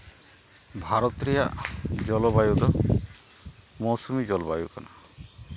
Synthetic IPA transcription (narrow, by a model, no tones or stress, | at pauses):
bʱaɾɔt̪ɾija̰d͡ʒɔlɔbajud̪ɔ | mɔsumid͡ʒɔlɔbajuɡɔna